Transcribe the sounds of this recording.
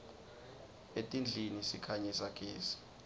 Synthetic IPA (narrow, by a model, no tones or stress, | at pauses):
etʼind͡ɮʱinisikʰaɲisakʼeːsi̥